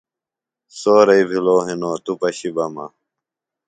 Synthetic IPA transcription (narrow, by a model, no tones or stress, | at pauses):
soːɾɐibʱiloːɦinoːt̪upɐɕibɐmɐ̰